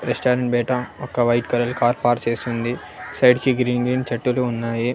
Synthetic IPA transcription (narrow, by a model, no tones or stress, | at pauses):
ɾesʈaːɾɐ̃ɳʈ̚beːʈʰãɐkːaʋaɪʈkɐɾəlkaːɾpaːɾseːsɦũnd̪i | saɪɖkiɡɾiːnɡɾiːnt͡ʃɐʈːuleɦʊnːaːje